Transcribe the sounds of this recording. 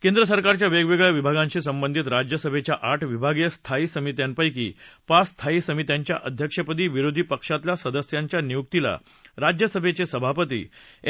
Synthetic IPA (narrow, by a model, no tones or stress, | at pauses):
kẽnd̪ɾəsəɾkaɾt͡ɕjaʋeɡʋeɡɭjaʋibʱaɡãɲɕisəmbənd̪ʱiːt̪ɾad͡ʑjəsəbʱet͡ɕjaʔaʈʰʋibʱaɡjəst̪ʰaiːsəmit̪jampəjk̬ḭːpast̪ʰaisəmit̪jaɲt͡ɕja̰ʔəd̪ʱjəkʂəpəd̪iːʋiɾod̪ʱipəkʂat̪lasəd̪əsjaɲt͡ɕjanijuk̚t̪ila̰ | ɾad͡ʑjəsəbʱet͡sesəbʱapət̪ḭː